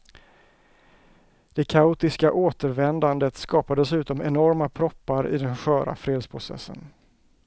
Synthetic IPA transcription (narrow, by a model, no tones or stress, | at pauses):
d̪̥ɛkʰauːt̪ɪskaʔoːt̪əɾvɛnd̪and̪ət̪skɑːpad̪ɛsʉ̟ːt̪ɔmɛnɔɾmapʰɾɔpːaɾɪ̰d̪ɛnɧœːɾa̰fɾeːd̪spʰɾʊsɛ̰sːə̰n